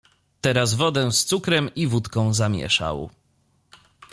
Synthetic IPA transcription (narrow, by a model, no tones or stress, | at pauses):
t̪ɛɾazvɔd̪ɛ̃st̪sukɾɛmivut̪kɔ̃w̃zamʲjɛ̰ʂa̰w